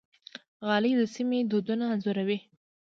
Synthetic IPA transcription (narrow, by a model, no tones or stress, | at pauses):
ɣɑlid̪əsimed̪od̪unaːnzʊɾawi